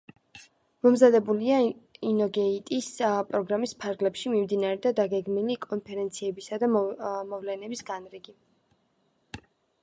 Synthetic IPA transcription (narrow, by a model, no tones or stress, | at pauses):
mɔmzad̪ɛbuliainɔɡɛit̪ʼispʼɾɔɡɾamispʰaɾɡlɛpʃimimd̪inaɾɛd̪ad̪aɡɛɡmilikʼɔnpʰɛɾɛnt̪sʰiɛbisad̪amɔvlɛnɛbisɡanɾiɡi